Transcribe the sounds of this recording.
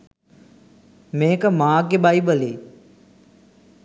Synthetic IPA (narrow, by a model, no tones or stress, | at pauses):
mẽːkəmãːk̬eɓaːiɓəleː